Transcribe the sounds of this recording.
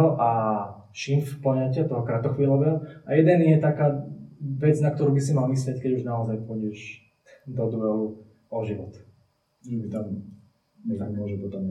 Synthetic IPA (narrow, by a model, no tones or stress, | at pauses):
ɦɔʔa | ʃinfplɔɲacɪat̪ɔɦɔkɾat̪ɔxʋiːlɔʋɛːɦɔajɛd̪ɛnjɛt̪akaːʋɛd͡znakt̪ɔɾuːbisimalmis̬lɛckɛɟuʒnaɔzajpɔɟɛʒ | d̪ɔd̪ɾuɦɛɦu | ɔʒiʋɔt̪ | ɛbit̪am | ɲɛt̪aɡmʊɔʒɛpɔt̪ɔm